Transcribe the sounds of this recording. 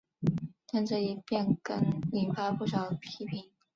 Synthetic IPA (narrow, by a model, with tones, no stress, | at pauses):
t̪ʰa˥˧nʈ͡ʂɤ˥˧i˧˩pjɛ˥˩nkə̰˧˥ŋi˨˩nfa˥˧pu˥˩ʂɑ˨˩ʊd̪əpʰi˧˥pʰi˨˩˦ŋ